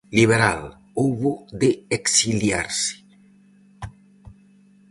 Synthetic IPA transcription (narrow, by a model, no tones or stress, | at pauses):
liβ̞eɾal | oβod̪eeksilja̰ɾse̥